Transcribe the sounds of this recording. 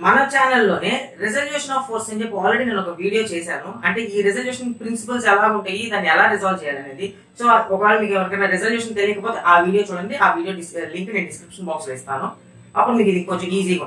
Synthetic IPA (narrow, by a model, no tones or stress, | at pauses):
mɐnɐt͡ʃaːnɐlːo̞ːneːɾezɐljuːʂɐnaːfʰoːɾsɐɲd͡ʒepːiaːlɾeɽiːneːnuɔkɐʋiːɽijo̞ːt͡ʃeːsaːnuɐɳʈe̞ːiːɾezɐljuːʂɐnpɾinsipɐlsɛlaːuɳʈaːjid̪aːnːiɛlaːɾizaːlʋt͡ʃɛːjaːlɐneːd̪i | so̞ːɔkɐaːlumiːkɛʋɐɾɐkɐjnaɾezɐljuːʂɐnt̪elːiːkɐp̬o̞ːt̪e̞ːʔaːʋiːɽijo̞ːt͡ʃuːɽɐnd̪iaːʋiːɽijo̞ːɖisliŋkneːnɖiskɾipʂɐnbaːksʋɛːst̪a̰ːnu | ɐpːuɽumiːkid̪iŋkːoʋɐt͡ʃːuiːziːɡa